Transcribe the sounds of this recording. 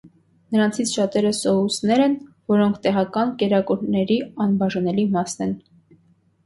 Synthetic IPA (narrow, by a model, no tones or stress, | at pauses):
nəɾɑnt͡sʰit͡sʰʃɑt̪ɛɾəsɔɦusnɛɾɛnvɔɾɔŋkʰt̪ɛʁɑkɑnkɛɾɑkuɾnɛɾiɑnbɑʒɑnɛlimɑsnɛn